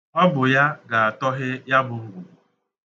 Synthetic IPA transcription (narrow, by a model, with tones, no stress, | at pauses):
ɔ˦bʊ˨ja˦ɡa˨a˨tɔ˦ɦɪ˦ja˦bʊ˨ʊ˦ɡʷu˨u˨